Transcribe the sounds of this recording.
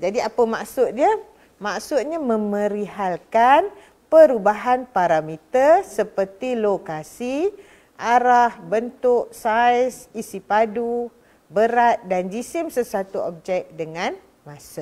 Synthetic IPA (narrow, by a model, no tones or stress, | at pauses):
d͡ʒadiapəmaʔsʊt̪̚ɲa | maʔsʊt̪̚ɲamə̃mə̃ɾiɦalkan | pəɾubaɦanpaɾamit̪ərsəpərt̪ilokasi | ʔaɾahbənt̪ʊʔsajsisipadu | bəɾat̪̚dand͡ʒisɪmsəsat̪uɔ̰p̚d͡ʒɛk̚dəŋãn | masaʔ